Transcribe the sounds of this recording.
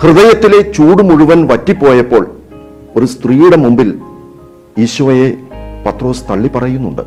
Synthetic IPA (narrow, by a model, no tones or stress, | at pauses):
hrɨðɐjɐt̪ːile̞t͡ɕuːɽumuɻuʋɐnʋɐtːipːo̞ːjɐpːo̞ːɭ | o̞ɾust̪riːjuɽemumbil | iːɕuʋɐje̞pɐt̪ro̞ːst̪ɐɭːipɐrɐjunːuɳɖɨ̰